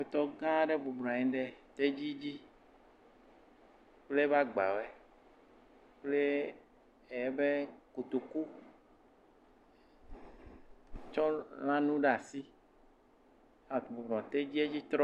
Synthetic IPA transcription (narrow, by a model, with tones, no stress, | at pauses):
e˨t̪ɔ˦ɡã˦ɖe˦bo˨bl̃a˨ɛ̃˦ɖe˨t̪e˦d͡ʑi˦d͡ʑi˦ | k͡ple˦va˦ɡ͡ba̰˨we˨ | k͡ple˦ | e˨je˦be˦ko˨t̪o˨ku˦ | t͡ʃɔ˦lã˦nũ˦ɖa˨si˦ | a˨bo˨blɔ̃˨t̪e˦d͡ʑi˦e˦d͡ʑi˦t̪ɾɔ˦